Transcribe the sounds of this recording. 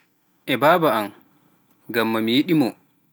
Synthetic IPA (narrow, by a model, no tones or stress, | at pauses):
ʔɛbaːbaam | ɡamːamijiɗimɔ